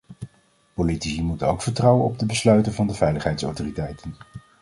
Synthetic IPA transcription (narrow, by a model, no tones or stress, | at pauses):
politisimutowkfəɹtrɑwənɔb̚dəbəslœɥtəvɑndəvɛjləχɦɛjtsɔ̰wtoːritɛjtən